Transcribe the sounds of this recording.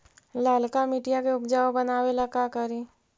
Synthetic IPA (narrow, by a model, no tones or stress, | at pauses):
laːlkamiːʈijakeʊpd͡ʒaːobənaːwelakakəɾiː